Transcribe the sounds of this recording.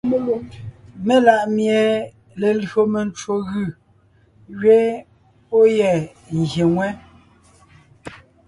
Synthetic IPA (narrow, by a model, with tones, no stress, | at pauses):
me˦la˨ʔmje˨ | le˨lɰo˦me˨n˦t͡ʃwo˨ɣʉ˦˨ | ɣɥe˦ | po˦jɛ˨ | ŋ̩˨ɣje˨ŋwɛ˦